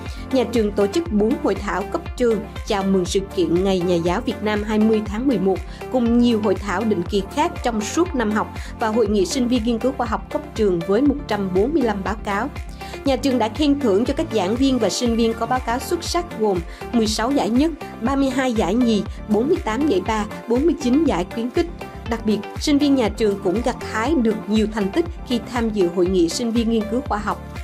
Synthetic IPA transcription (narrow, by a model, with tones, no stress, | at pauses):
ɲaː˨˩t͡ɕɨ˨˩əŋt̪o˧˩t͡ɕɨ˦˥k̚ɓo˨˦nho̰˧˨jt̪ʰaː˧˩wkə˦˥p̚t͡ɕɨ˨˩əŋt͡ɕaː˧˩wmɨ˨˩ŋsɨ̰˧˨kḭ˧˨ənŋa˨˩jɲaː˨˩zaː˨˦wvi˨˩ət̚naː˧mɦaː˧jmɨ˧əjt̪ʰaː˨˦ŋmɨ˨˩əjmo˨˩t̚ | kʊ˨˩ŋ͡mɲi˨˩əwɦo̰˧˨jt̪ʰaː˧˩wɗḭ̈˧˨ŋ̟ki˨˩xaː˦˥k̚t͡ɕɔ˧wŋ͡msu˦˥ət̚na˧mɦɔ˨˩wk͡p̚vaː˨˩ɦo̰˧˨jŋḭ˧˨sï˧ŋ̟vi˧ənŋi˧nkɨ˨˦xwaː˧ɦa˨˩wk͡p̚kə˦˥p̚t͡ɕɨ˨˩əŋvəː˨˦jmo˨˩t̚t͡ɕa˧mɓo˨˦nmɨ˧əjla˧mɓaː˨˦wkaː˨˦w | ɲaː˨˩t͡ɕɨ˨˩əŋɗa̰ː˧˥kʰɛ˧nt̪ʰɨ̰˧˩əŋt͡ɕɔ˧ka˦˥jk̟̚za̰ː˧˥nvi˧ənvaː˨˩sï˧ŋ̟vi˧ənkɔ˨˦ɓaː˨˦wkaː˨˦wswə˦˥t̚sa˦˥t̚ɣo˨˩m | mɨ˨˩əjsa˨˦wza̰ː˧˩jɲə˦˥t̚ɓaː˧mɨ˧əjɦaː˧jza̰ː˧˩jɲi˨˩ɓo˨˦nmɨ˧əjt̪aː˨˦mɲə̰˧˩jɓaː˧ | ɓo˨˦nmɨ˧əjt͡ɕi˨˦nza̰ː˧˩jkwi˨˦ənkï˦˥k̟̚ | ɗa˨˩k̚ɓi˨˩ət̚si˧ŋ̟vi˧ənɲaː˨˩t͡ɕɨ˨˩əŋkʊ̰˧˥ŋ͡mɣa˨˩t̚t̪ʰaː˨˦jɗɨ˨˩ək̚ɲi˨˩əwt̪ʰɛ˨˩jŋ̟t̪ï˦˥k̟̚xi˧t̪ʰaː˧mzɨ̰˧˨ɦo̰˧˨jŋḭ˧˨si˧ŋ̟vi˧ənŋi˧ənkɨ˨˦wxwaː˧ɦɔ˨˩wk͡p̚